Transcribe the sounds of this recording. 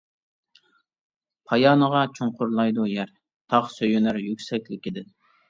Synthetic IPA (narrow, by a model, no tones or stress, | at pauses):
pʰɑjɑːnəʁɑt͡ʃʰoɴqʰʊɾlˠɑjd̪ujæɾ | t̪ʰɑχsøjynæɾjykʲsɛkʲlɪkʲid̪ɪ